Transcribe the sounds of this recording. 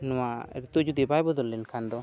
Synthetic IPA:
nɔwaɾit̪ud͡ʒud̪ibajbɔd̪ɔlːɛnkʰand̪ɔ

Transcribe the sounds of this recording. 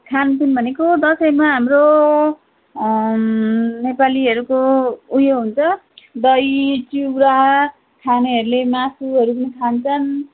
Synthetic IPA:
kʰantunbʱʌnekod̪ʌsʌjmaɦamro | nepaliɦʌɾukoujoɦunt͡sʰʌd̪ʌjt͡suɡɾaɦʌ | kʰanʌɦʌɾulemasuɦʌɾupʌnikʰant͡sʰʌn

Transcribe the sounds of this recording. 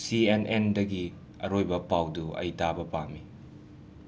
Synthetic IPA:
sienʔendɐɡi | ɐ̰ɾojbɐpawduɐ̰jtabɐpami

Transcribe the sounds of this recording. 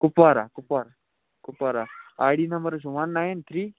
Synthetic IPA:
kupʋaɾakupaɾa | kupaɾaajɽiːnəmbəɾɕ̬uʋanːajent̪ʰɾiː

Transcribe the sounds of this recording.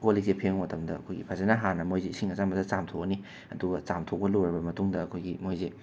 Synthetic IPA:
kolik̚zepʰeŋwotʰɐmdɐɐ̰kʰojɡḭpʰazanaɦanɐmojzesiŋɐzanmbɐdɐt͡samtʰoni | ɐduɡɐt͡samtʰok̚pɐloɾɐbɐmɐtuŋdɐːkʰojɡimojze

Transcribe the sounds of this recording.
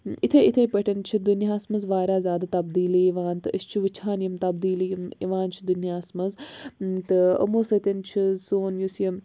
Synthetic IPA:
it̪ʰeit̪ʰepɐʈɐnt͡ʃʰid̪unjaːsmɐzʋaːɾʲaːzʲaːd̪at̪ɐbd̪iːliiʋaːnt̪ɨɐst͡ʃʰiʋɨt͡ʃʰaːnjimt̪ɐb̚d̪iːlijimiʋaːnt͡ʃʰi̥d̪unjaːsmɐzt̪ɨɐ̰moːsɐt̪ʲɐnt͡ʃʰisoːnjusjɐm

